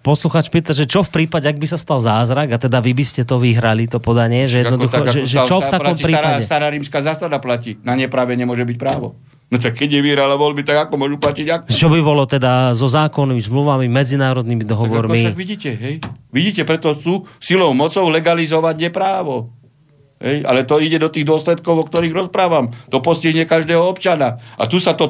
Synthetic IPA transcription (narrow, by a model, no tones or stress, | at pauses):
pɔsluxaːt͡ʃpiːt̪aʒɛt͡ʃɔfpɾiːpaɟɛaɡ̚bisast̪alzaːzɾaɡat̪ɛd̪aʋibiscɛt̪ɔʋiɦɾalit̪ɔpɔd̪aɲɪɛʒɛjɛnɔd̪uxɔʒɛʒɛt͡ʃɔft̪aɔmpɾiːpadɛst̪aɾaɾimskaːzaːsad̪aplacinaɲɛpɾaʋɛɲɛmʊɔʒɛbic̚pɾaːʋɔ̰ | nɔt̪̬ak̚kːɛɟɲɛʋiɦɾalaʋɔlbit̪aɡakɔmʊɔʒuplaciɟakt͡ʃɔbibɔlɔt̪ɛd̪azɔzaːkɔnːimizmluʋamimɛd͡zinaːɾɔd̪nimid̪ɔɦɔʋɔɾiaɡʋiɟiːcɛɦɛjʋiɟiːcɛpɾɛt̪ɔt͡suːsilɔʊmɔt͡sɔʊlɛɡalizɔʋaɟɲɛpɾaːʋɔ | ɦɛja̰lɛt̪ɔiɟɛd̪ɔt̪iːɣd̪ʊɔslɛt̪kɔʊɔkt̪ɔɾiːɣɾɔspɾaːʋamt̪ɔpɔsciɦɲɛkaʒd̪ɛːɦɔɔpt͡ʃanaʔa̰t̪usat̪ɔ